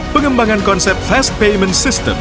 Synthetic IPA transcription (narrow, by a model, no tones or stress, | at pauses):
pəŋəmbaŋankɔnsɛp̚t̚fast̪̚pejmə̃ntsist̪ə̰m